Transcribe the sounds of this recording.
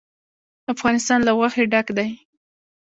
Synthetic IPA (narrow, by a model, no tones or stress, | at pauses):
afɣɑnɪst̪ɑnlawaxeɖakd̪aj